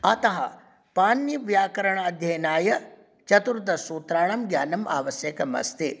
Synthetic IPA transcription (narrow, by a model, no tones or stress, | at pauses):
ɐt̪ɐɦɐ | paːnjɐʋjaːkɐɾɐɳɐɐd̪ʱjɐjnaːjɐ | t͡ʃɐt̪uɾt̪ɐsuːt̪ɾaːɳ̃ɐmɡjaːnɐma̰ːʋɐsjɐkɐmɐ̰st̪i